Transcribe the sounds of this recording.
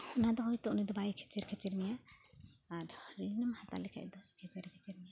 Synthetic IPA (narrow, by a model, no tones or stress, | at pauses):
ɔnad̪ɔhɔjt̪ɔʔnɛd̪ɔbajkʰɛ̥t͡ʃɛɾkʰɛt͡ʃɛɾmijaː | ɾɾinəmhat̪a̰lɛkʰa̰jd̪ɔkʰɛt͡ʃɛɾkʰɛ̥t͡ʃɛɾmija